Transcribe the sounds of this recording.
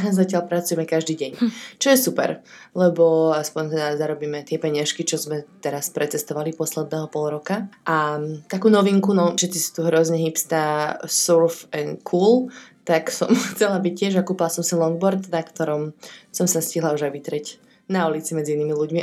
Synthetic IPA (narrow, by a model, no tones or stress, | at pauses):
zacɪalpɾat͡sujɛmɛkaʒd̪iːɟɛɲt͡ʃɔjɛsupɛ̰ɾlɛbɔaspɔɲt̪ɛd̪azaɾɔbiːmɛt̪ɪɛpɛɲaʃkit͡ʃɔzmɛt̪ɛɾaspɾɛt͡sɛst̪ɔʋalipɔslɛd̪̚nɛːɦɔpɔlˠɾɔkaʔat̪akuːnɔʋiŋkunɔfʃɛt̪t͡sisu̥t̪uɦɾɔzɲɛɦipst̪asuɾfɛnkʰuːlt̪aksɔmxt͡sɛlabic̚cɪɛʒakuːpilasɔmsilɔŋɡ̚bɔɾt̪nakt̪ɔɾɔmsɔmsasciɦlauʒajʋit̪ɾɛc | naulit͡simɛd͡ziiniːmiluɟmi